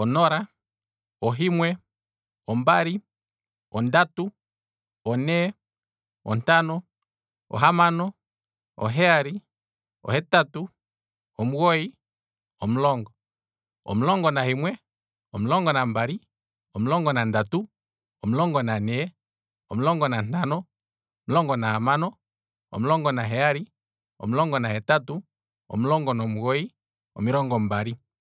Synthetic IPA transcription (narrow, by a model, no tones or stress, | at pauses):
ɔnɔɾa | ɔɦimwɛ | ɔmbaɾi | ɔndatu | ɔnɛ | ɔ̰ntanɔ | ɔ̰ɦamanɔ | ɔɦɛaɾi | ɔ̰hɛtatu | ɔmuɣɔi | ɔm̩lɔŋɡɔ | ɔ̰mulɔŋɡɔnahimwɛ | ɔmilɔŋɡɔnambaɾi | ɔmulɔŋɡɔnandatu | ɔmulɔŋɡɔnanɛɛ | ɔmlɔŋɡɔnan̥anɔ | ɔmulɔŋɡɔnahamanɔ | ɔ̰m̩ulɔŋɡɔnaɦɛaɾi | ɔ̰m̩ulɔŋɡɔnahɛtatu | ɔ̰mulɔŋɡɔnɔmuɣɔi | ɔ̰miɾɔŋɡɔmbaɾi